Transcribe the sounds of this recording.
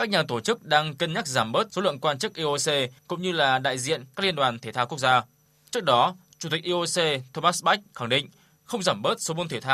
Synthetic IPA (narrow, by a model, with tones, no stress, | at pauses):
ka˦˥k̚ɲaː˨˩t̪o˧˩t͡ɕɨ˦˥k̚ɗaː˧ŋkə˧nɲa˦˥k̚zaː˧˩mɓəː˦˥t̚so˨˦lɨ̰˧˨əŋkwaː˧nt͡ɕɨ˦˥k̚ʔi˧ʔo˧se˧kʊ̰˧˥ŋ͡mɲɨ˧laː˨˩ɗa̰ː˧˨jzḭ˧˨ənkaː˦˥k̚li˧nɗwaː˨˩nt̪ʰe˧˩t̪aː˧ku˦˥ək̚zaː˧ | t͡ɕɨ˦˥ək̚ɗɔ˨˦ | t͡ɕu˨˧˩t̪i˨˩k̚ʔi˧ʔo˧se˧t̪ʰo˧maː˦˥sɓa˦˥k̟̚xa˧˩ŋɗḭ˧˨ŋ̟ | xə˧wŋ͡mzaː˧˩mɓəː˦˥t̚so˨˦mo˧nt̪ʰe˧˩t̪ʰaː˧w